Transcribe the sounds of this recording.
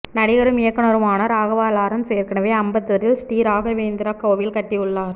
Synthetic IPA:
nɐɽɪɣɐɾɯmɪjɐkːɐnɐɾɯmaːnɐɾaːɣɐʋaːlaːɾɐmseːɾkɐɳɐʋɐɐmbɐt̪ːɯɾɪlsʈiːɾaːɣɐʋeːnd̪ɪɾaːkːɐːʋɪlkɐʈːɪjɯɭːaːɾ

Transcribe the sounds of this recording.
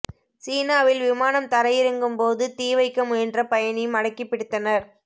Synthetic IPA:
siːnaːʋɪlʋɪmaːnɐmt̪ɐɾɐjɪɾɯŋɡɯmpoːðɯt̪iːʋɐɪkːɐmɛndrɐpɐjɐnɪmɐɽɐɪkːɪpːɪɽɯt̪ːɐnɐɾ

